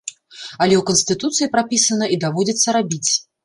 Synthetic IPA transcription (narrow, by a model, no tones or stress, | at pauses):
ɐlʲɛwkənsʲt̪ɨt̪ut̪sɨjipɾapʲisɐnɐid̪avɔd͡zʲit̪sːɐɾabʲit͡sʲ